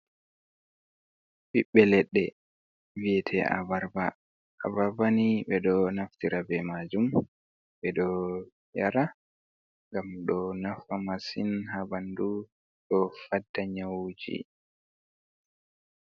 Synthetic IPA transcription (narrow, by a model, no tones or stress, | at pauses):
ɓiɓːɛlɛɗːɛ | vijɛtʰɛa̰baɾba̰ː | baɾbanibɛɗɔnaftiɾabɛmad͡ʒum | bɛɗɔ | jaɾa | ŋɡamɗɔnafamasinɦabandu | ɗɔfadːaɲawd͡ʒḭ